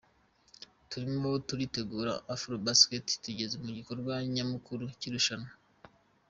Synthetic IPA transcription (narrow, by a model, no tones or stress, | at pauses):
tuɾimo̞tuɾite̞ɡuːɾa̰ʔafɾobaskettuɟe̞zemuɟiko̞ɾɡwaɲamukuɾuciɾuʃana